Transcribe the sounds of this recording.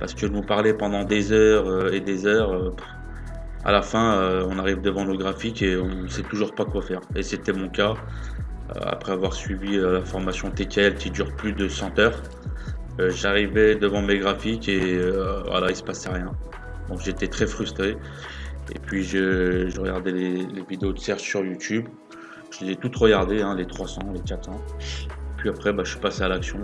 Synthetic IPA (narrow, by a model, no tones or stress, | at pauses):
paʁsə̥kəʒnupaʁlɛpɑ̃d̪ɑ̃d̪ezœʁøed̪ezœʁø | a̰lafɛ̃øɔ̃naʁivd̪əvɑ̃ləɡʁafikeɔ̃sɛt̪uʒuʁpakwafɛʁeset̪ɛmɔ̃ka | ø̰a̰pχɛavwaʁsɥiviølafɔʁmasjɔ̃t̪ekʲɛlkʲid̪yʁplyd̪əsɑ̃t̪œːʁ | øʒaʁivɛd̪əvɑ̃meɡʁafikʲeøvwa̰laisə̥pasɛʁjɛ̃ | d̪ɔ̃kʒet̪et̪χɛfχyst̪χe | ḛpɥiʒəʒəʁəɡaʁd̪ɛlelevid̪eod̪əsɛʁʃsyʁjut̪ʰyb | ʒ̥əlezɛt̪ut̪ʁəɡaʁd̪eɛ̃let̪χwasɑ̃lekat̪sɑ̃ | pɥiapχɛbaʃəʃi̥pasealaksjɔ̃